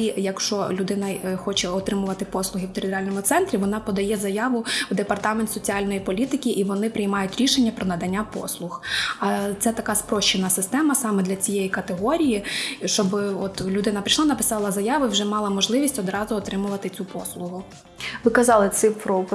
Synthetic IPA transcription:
ijɐkʃt͡ʃɔlʲʊd̪ɪnɐxɔt͡ʃɛɔt̪ɾɪmʊʋɐt̪ɪpɔslˠʊɦɪwt̪eɾʲɪt̪eɾalʲnɔmʊt̪sɛnt̪ɾʲiʋɔnɑpɔd̪ɐjɛzɐjɑʋʊwd̪epɐrt̪ɑment̪sɔt͡sʲiɑlʲnɔjipɔlʲit̪ɪkʲiʔiʋɔnɪpɾɪjmɑjʊtʲɾʲiʃenʲːɐpɾɔnɐd̪ɐnʲːapɔ̰slˠʊxɐt̪sɛt̪ɐkɑspɾɔʃt͡ʃɪnɐsɪst̪ɛmɐsɑmɛd̪lʲɐt͡sʲijejikɐt̪eɦɔɾʲijiʃt͡ʃɔbɪɔt̪lʲʊd̪ɪnɐpɾʲiʃlˠɑnɐpɪ̥sɑlˠɐzɐjɑʋʊwʒɛmɑlˠɐmɔʒlˠɪʋʲisʲtʲɔd̪ɾɑzʊɔt̪ɾɪmʊʋɐt̪ɪt͡sʲupɔslˠʊɦʊ | ʋɪkɐzɑlˠɪt̪sɪpɾɔ

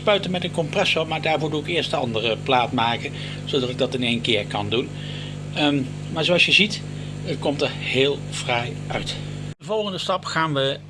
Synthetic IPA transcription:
spœɥtənmɛtənkɔmprɛsomaːɹdaːɹvʊːɹduɪkɪːɹstənɑ̰ndərəplaːtmaːkə | z̥odɑtɪɡ̚dɑtɪnejnkɪːɹkɑndun | maːɹzoɑlˠsjəzit | ətkɔmtəɹheːlˠ | v̥raj | ʔœɥt | əvɔlˠχəndəstɑpχaːnʋə

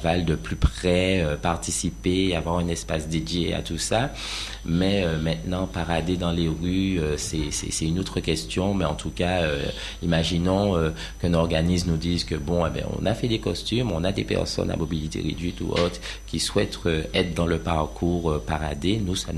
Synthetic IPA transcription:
vald̪əplypχɛøpaʁt̪isipeavwaʁɛ̃nɛspasd̪ed̪jea̰t̪usa | mɛømɛ̃t̪nɑ̃paʁad̪ed̪ɑ̃leʁyøsɛsɛ̰sɛynot̪χəkʲɛst̪jɔ̃mɛɑ̃t̪ukaø | imaʒinɔ̃ø | kɛ̃nɔʁɡanis̬mnud̪izkəbɔ̃ɛbɛ̰̃ɔ̰̃nafɛd̪ekɔst̪ymɔ̃nad̪epɛ̰ʁsɔ̰na̰mobilit̪ḛʁḛd̪ɥit̪ṵʔo̰t̪χ | kʲiswɛt̪øɛt̪χd̪ɑ̃ləpaʁkʰuːʁøpaʁad̪enusa

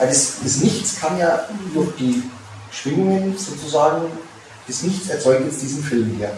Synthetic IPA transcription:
adɛsd̥asnɪçt͡skʰaːmjaːd̥ʊɐçd̥iː | ʃv̥ɪŋʊŋənz̥oːt͡suzaːɡŋ̩ | d̥ɛsnɪçt͡sɛɐt͡sɔʏk̚tjɛt͡std̥iːzn̩fɪlmiːɐ

